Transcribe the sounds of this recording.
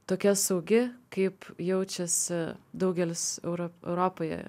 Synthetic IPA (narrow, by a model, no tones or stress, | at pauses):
t̪oːkʲɛsɐʊɡʲɪkɐɪpjɛʊt͡ʃʲɛsʲɪd̪ɐʊɡʲɛlʲɪsɛʊɾoɛ̰ʊɾoːpoːjɛ̰